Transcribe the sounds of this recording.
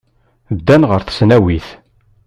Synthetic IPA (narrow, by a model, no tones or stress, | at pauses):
d̪ːænʁəɾθsnæwiθ